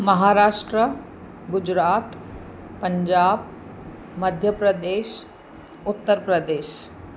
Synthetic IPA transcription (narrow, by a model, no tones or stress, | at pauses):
mɐɦaːɾaːʂʈɾə | ɡʊd͡ʑɾaːt̪ | pəɲd͡ʒaːb̚ | mɐd̪ʱjəpɾəd̪eːʃ | ʊt̪ːəɾpɾəd̪eːʃ